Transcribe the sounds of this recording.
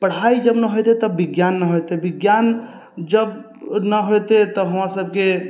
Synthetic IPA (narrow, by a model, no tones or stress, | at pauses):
pəɽ̤aid͡ʒəbnəɦojt̪et̪əbiɡjanːəɦojt̪ebiɡjan | d͡ʒəb | nəɦojt̪et̪ɔɦəmɾasəb̚ke